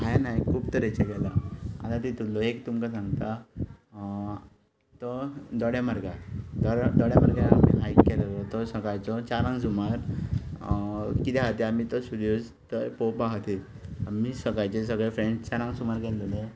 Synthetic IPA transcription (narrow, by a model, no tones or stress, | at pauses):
ɦajanajkʰuːbt̪əɾet͡ɕakɛlaa̰t̪at̪it̪ulːɔɦekt̪umkasãŋɡt̪a | t̪ɔd̪ɔɽjamaɾɡad̪ɔd̪ɔɽjamaɾɡaa̰pḛʔajkkːɛlalɔt̪ɔsəɡajt͡sɔt͡ɕaɾãŋs̬umaɾ | kit̪aɦat̪eamit̪ɔsuɾjod͡z | t̪əjpopaɦət̪i | amisəɡajt͡ɕes̬əɡɭefɾenst͡ɕaɾãŋsumaɾkɛlone